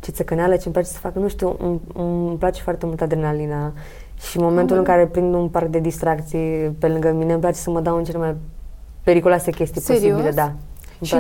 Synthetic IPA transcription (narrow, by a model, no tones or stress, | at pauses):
t͡ʃe̞t̪səekənealət͡ʃemplat͡ʃesə̥fakənuʃt̪iu | plat͡ʃefoart̪e̞mult̪ad̪ɾenalina | ʃimo̞ment̪ulɨŋkaɾepɾind̪unpark̚d̪e̞d̪ist̪ɾakt̪sijpe̞lɨŋɡəminemp̬lat͡ʃe̞səməd̪awɨnt͡ʃe̞lemaj | pe̞ɾikulwase̞kʲe̞st̪iposibiled̪a | ma